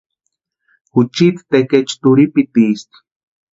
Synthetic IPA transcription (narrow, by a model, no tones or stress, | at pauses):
xut͡ʃit̪t̪eket͡ʃt̪uɾipit̪ist̪